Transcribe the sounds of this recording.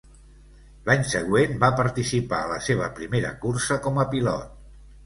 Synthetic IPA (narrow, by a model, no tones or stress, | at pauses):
laɲsəɣ̞wenbapəɾt̪isipa̰ələseβ̞əpɾimeɾə̰kursəkɔməpilɔ̰t̪̚